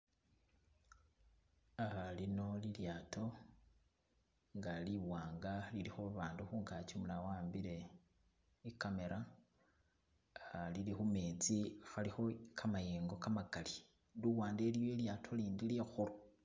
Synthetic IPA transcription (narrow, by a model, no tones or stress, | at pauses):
alino̞liljaːtʰo̞ | ŋɡaliwaːŋɡalilixoβaːnduxuːŋɡat͡ʃumulawaːmbiɾe̞ | ikame̞ɾa | lilixumeːt͡sixalixo̞kʰamajeːŋɡo̞kamaɡali | luwaːndeljoiljaːtʰo̞liːndilexuɾo